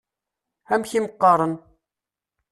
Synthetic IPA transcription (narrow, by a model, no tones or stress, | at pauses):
æmçiməqːɑɾˤən